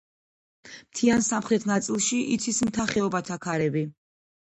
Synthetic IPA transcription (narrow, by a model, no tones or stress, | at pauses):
mt̪ʰiansamχɾɛt̪ʰnat̪sʼilˠʃiʔit̪sʰismt̪ʰaχɛɔbat̪ʰakʰaɾɛbi